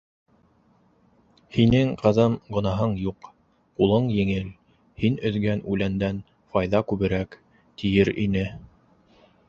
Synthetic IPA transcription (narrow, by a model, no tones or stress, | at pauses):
hinɘŋqɤ̆ðɤmɡŏnɑɦɤɴjuq | qulˠɤɴjɘ̆ŋɘl | hinɵ̆ðɡænʉlænd̪æn | fɑjðɑkʉβɘ̆ɾæk | t̪ijɘɾḭnɘ